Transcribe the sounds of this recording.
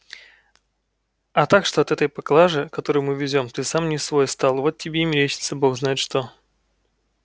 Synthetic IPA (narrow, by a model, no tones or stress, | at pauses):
ɐt̪akʂt̪o̞ɐt̪ɛt̪əjpɐklˠaʐɨkɐt̪o̞ɾɨjmɨvʲɪzʲo̞mt̪ɨsamnʲɪsvo̞jst̪alˠvo̞t̪̚ʲtʲːɪbʲeimʲɪɾʲet͡ɕɪ̥t̪səbo̞xznajɪt̪ʂt̪o̞